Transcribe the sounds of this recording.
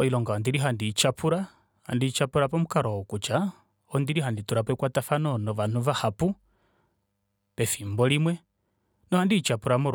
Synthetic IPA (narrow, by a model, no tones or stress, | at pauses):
ɔilɔŋɡaɔnd̪iɾiɦandit͡ʃapʰuɾa | ha̰ndit͡ʃapuɾapɔmukaɾɔɔkut͡ʃa | ɔnd̪iɾiɦandituɾapɛkwatafanɔnɔvan̥uvahapu | pɛfimbɔlimwɛ | nɔhandit͡ʃapuɾamuɾ